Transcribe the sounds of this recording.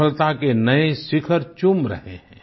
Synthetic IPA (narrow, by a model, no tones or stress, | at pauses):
əlt̪akenɐesɪkʰəɾt͡ʃumɾə̰ɦḛɦɛ̃ː